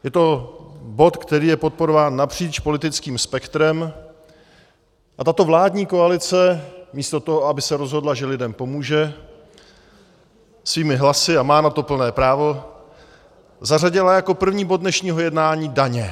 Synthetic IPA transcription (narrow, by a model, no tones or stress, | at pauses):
jɛt̪o̞bo̞t̪kt̪ɛɾiːjɛpo̞t̪̚po̞ɾovaːnːapr̝̥iːt͡ʃplɪt̪ɪt͡skiːmspɛkt̪ɾɛm | ʔat̪at̪o̞vlaːdɲiːko̞alɪt͡sɛmiːst̪o̞t̪oɦoabɪsɛɾo̞zɦo̞dlaʒɛlɪdɛmpo̞muːʒɛ | sviːmɪɦlasɪamaːnat̪o̞pl̩nɛːpɾaːvo̞ | zar̝aɟɪlajako̞pr̩vɲiːbod̚dnɛʃɲiːɦo̞jɛdnaːɲiːdaɲɛ